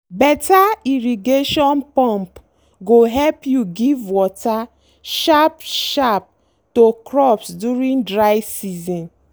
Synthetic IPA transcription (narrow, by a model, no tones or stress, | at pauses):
bɛtaiɾiɡeʃɔnpɔ̃mp | ɡoɦɛlpjuɡivwɔta | ʃapʃap̚ | tokɾɔpsduɾĩndɹaɪsizɔ̃n